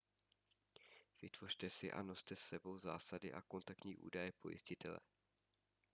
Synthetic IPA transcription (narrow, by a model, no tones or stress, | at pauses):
v̥ɪt̪v̥o̞r̥t̪ɛsɪʔa̰no̞st̪ɛsɛbo̞wza̰ːsadɪʔa̰ko̞nt̪ak̚t̪ɲiːʔṵːdajɛpʰo̞̰jɪ̰scɪt̪ɛlɛ̰